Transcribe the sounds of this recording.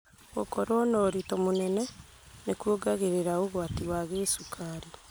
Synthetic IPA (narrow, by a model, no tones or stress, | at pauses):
ɣokoɾwonoɾitomonɛnɛ | nekwoɡaɣeɾeɾaoɣwatiwaɣesukʰaɾi